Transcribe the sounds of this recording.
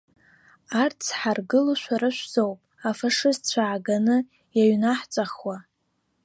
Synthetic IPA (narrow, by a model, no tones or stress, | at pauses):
art͡sʰħarɡɨluʃʷaɾɨʃʷz̥owpʼafaʂɨztt͡ɕʷʰaʕaɡanɨ | jaɥnaħt͡sʼaχwa